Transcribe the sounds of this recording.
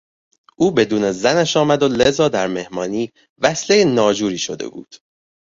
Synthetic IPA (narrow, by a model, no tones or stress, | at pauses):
ʔuːbe̞d̪uːne̞zænæʃɒːmæd̪o̞lezɒːd̪æɾme̞hmɒːniː | væsle̞jenɒːd͡ʒuːɾiːʃod̪e̞̰bṵːd̪̥